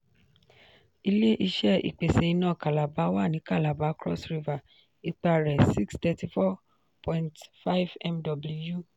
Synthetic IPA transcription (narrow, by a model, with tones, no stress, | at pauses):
i˧le˦ʔi˧ʃɛ˦˨ḭ˨k͡pe˨se˨˧i˧nãː˨˦˨ka˨la˨ba˨˦wa˦˨nĩ˨˦ka˦˨la˨ba˨˦kɾɔ̰˦˨sɾi˧va˨ | i˧k͡pa˧ɾɛ˨si˦kstɛ˧ti˧fɔ˦ | pʰɔ̃˨˧ĩntfa˦vɛ˦mdɔ˨bli˧˦ju˦˨